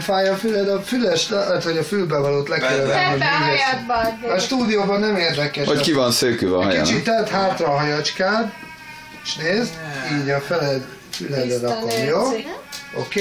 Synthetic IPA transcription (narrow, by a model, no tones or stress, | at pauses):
faːjɒfylɛd̪ɒfylɛʃlɛt̪ʋɒɟɒfylbɛvɒloːt̪lɛkɛɾøɾɛnomiɡɛsɒʃt̪uːd̪ijoːbɒnːɛmeːrd̪ɛkɛʃɒkivɒnsøːkyːvɛ̰ɦɒjɔḭnt͡ʃit̪ːɛt̪haːt̪rɒɦɒjɒt͡ʃkaːn | eʃneːzd̪iːɟɒfɛlɛd̪ | fylɛd̪ɛɾɒponjoːo̰keː